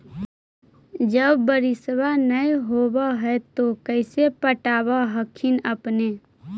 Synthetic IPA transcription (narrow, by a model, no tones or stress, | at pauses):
d͡ʒəbːəɾɪsbanəiɦobaɦɛt̪okəɪsepəʈaːbaɦəkʰɪnəpne